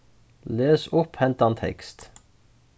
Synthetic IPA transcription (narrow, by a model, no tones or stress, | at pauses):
leːsʊphɛnt̪ɑnt̪ʰɛ̰kst̪